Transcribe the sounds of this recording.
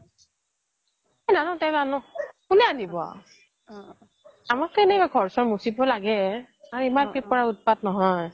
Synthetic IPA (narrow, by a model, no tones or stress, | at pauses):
ɛnanɔ̃tɛanɔkunɛanibɔa̰ | amakkɛnɛkaɡʱɔɹsɔɹmusibɔlaɡɛ | aɹimanpɹip̚ːɔɹaut̚pat̚nɔɦɔj